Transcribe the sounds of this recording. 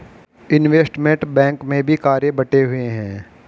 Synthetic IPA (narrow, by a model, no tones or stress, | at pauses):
ɪnʋeːsʈmẽɳʈbɛ̃ːŋkmẽbʱikaːɾjebɐʈeɦʊeɦɛ̃ː